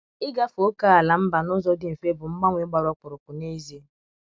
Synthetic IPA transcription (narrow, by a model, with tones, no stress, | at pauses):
ɪ˦ɡa˦fo˦ka˦a˨la˨m̩˦ba˨nʊ˦zɔ˦dɪ˦m̩˨fe˦bʊ˨ŋ͡m̩˦ɡ͡ba˦ŋʷe˦ɡ͡ba˨ɾɔ˦k͡pʊ˨ɾʊ˨kʊ˨ne˦ze˦